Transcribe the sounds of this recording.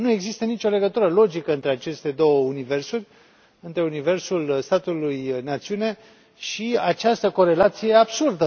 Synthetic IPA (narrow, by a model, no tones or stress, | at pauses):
nue̞ɡzist̪ənit͡ʃʲo̞le̞ɡət̪uɾəlo̞d͡ʒikəɨnt̪ɾe̞at͡ʃe̞st̪e̞d̪o̞wəunive̞rsurʲ | ɨnt̪ɾe̞unive̞rsulst̪at̪ulujnat̪siune̞ | ʃiat͡ʃast̪əko̞ɾe̞lat̪sijeeabsurd̪ə